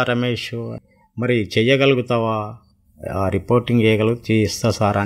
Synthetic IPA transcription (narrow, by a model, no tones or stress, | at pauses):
aɾɐmeːʂu | mɐɾit͡ʃɛjːɐɡɐluɡut̪aːʋaː | ɾipoːɾʈiŋɡd͡ʒɛjɐɡɐluɡuut͡ʃejist̪aːsaːɾa